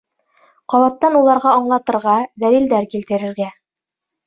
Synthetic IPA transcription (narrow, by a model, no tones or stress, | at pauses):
qɒβɑt̪ːɑnulˠɑɾʁɑɑɴlˠɑt̪ɤ̆ɾʁɑðælild̪æɾkilt̪ɘ̆ɾɘ̆ɾɡæ